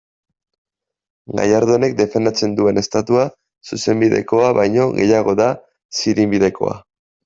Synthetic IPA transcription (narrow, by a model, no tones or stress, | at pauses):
ɡa̰jaɾðone̞k̚d̪e̞fe̞nd̪at͡se̞nd̪ue̞ne̞st̪at̪ua | suse̞mbiðe̞̰ko̞aβajɲo̞ɣe̞̰jaɣ̞o̞ða | siɾimbiðe̞ko̞̰a̰